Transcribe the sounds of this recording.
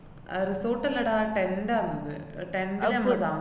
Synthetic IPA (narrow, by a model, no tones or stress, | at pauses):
ɐ̰ɾisoːʈːɐlɐɽaːʈendaːnːɐðɨʈendamɐa